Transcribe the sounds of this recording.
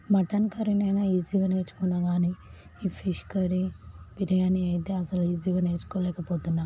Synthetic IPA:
mɐʈɐnkɐɾinɐjnɐiziɡaːne̞ːɾt͡ʃu̥kunːaːɡaːniː | iːpʰiʃkɐɾipiɾijaːniɐjit̪eːɐsɐluiːziɡaːne̞ːɾt͡ʃu̥koːlɛːkɐpoːt̪unːa

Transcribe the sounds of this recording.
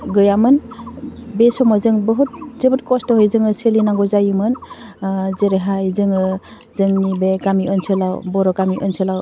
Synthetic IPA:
ɡɯjamɯn | besɔmɔzɯŋbɔɦut̚zɯbɯtkɔstɔɦɔjzɯŋɯselinaŋɡɔzajɯmɯn | zeɾeɦajzɯŋɯ | zɯŋnibeɡamiɔnsʰelawbɔɾɔkamiʔɔnselaw

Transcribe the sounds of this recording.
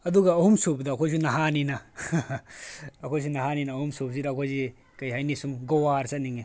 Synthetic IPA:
ɐduɡɐɐhumsup̚dɐːkʰojs̬unɐɦaninɐ | ɐkʰojs̬unɐɦaninɐhumsup̚zidɐːkʰojzi | kɐjɦajnisumɡowaɾsɐt̚niŋe

